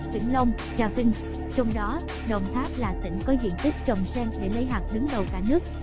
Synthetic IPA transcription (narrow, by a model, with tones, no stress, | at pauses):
t̪wḭ˧˩əŋlə˧wŋ͡m | zaː˧fï˧ŋ̟ | t͡ɕɔ˧wŋ͡mɗɔ˨˦ | ɗə˨˩wŋ͡mt̪aː˦˥p̚laː˨˩t̪ḭ˧˩ŋ̟kɔ˨˦zḭ˧˨ənt̪i˦˥k̟̚t͡ɕə˨˩wŋ͡msɛː˧ŋɗe˧˩lə˨˦jɦaː˨˩t̚hɨ˨˦əŋɗə˨˩wkaː˧˩nɨ˦˥ək̚